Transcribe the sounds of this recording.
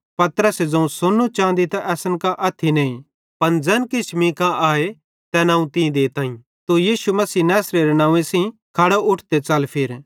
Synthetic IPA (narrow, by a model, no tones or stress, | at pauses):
pɐt̪ɾəsed͡zɐ̃ũsonːũt͡ʃãːnd̪it̪ɐʔɛːsənkaʔɐt̪ʰːinɐ̃ːĩ | pɐnd͡zɛːnkɪt͡ʃʰmĩkaʔaːe | t̪ɛnãːũt̪ĩĩd̪eːt̪ãːĩ | t̪ojiːʃumɐsiːnaːsɾeɾenãːʋẽsĩkʰɐɽoʔʊʈʰd̪et͡sɐlpʰɪɾ